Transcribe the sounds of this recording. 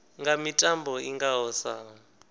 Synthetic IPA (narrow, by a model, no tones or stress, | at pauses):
ŋɡamitʼambɔiŋɡaɦɔsa̰